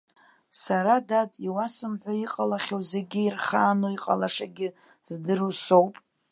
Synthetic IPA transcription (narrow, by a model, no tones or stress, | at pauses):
saɾadadiwasɨmħʷᶣaiqʼalaχʲowze̞ɡʲɪirχaːnoiqʼalaʂaɡʲɪ | zdɨrusowpʼ